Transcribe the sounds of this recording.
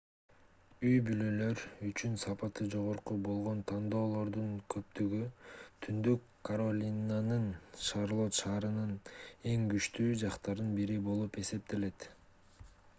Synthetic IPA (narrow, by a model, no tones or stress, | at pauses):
yjbylø̞lø̞ɾyt͡ʃynsɑpɑt̪ɯd͡ʒo̞ʁo̞ɾqubo̞lˠʁo̞nt̪ʰɑnd̪o̞ːlˠo̞ɾd̪uɴkʰø̞p̚t̪yɡyt̪ʰynd̪ykʰːɐɾolʲinanɯnʃaɾlˠo̞t̪ʃɑːɾɯnɯne̞ŋɡyt͡ʃt̪yːd͡ʒɑqt̪ɑɾɯnbiɾibo̞lˠupe̞se̞p̚t̪e̞le̞t̪